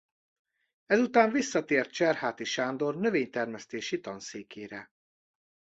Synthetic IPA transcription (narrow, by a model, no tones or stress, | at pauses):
ɛzut̪aːɱvisːɒt̪eːrt̪̚t͡ʃɛrhaːt̪iʃaːnd̪o̞rnø̞veːɲt̪ɛrmɛst̪eːʃit̪ɒnseːkeːɾɛ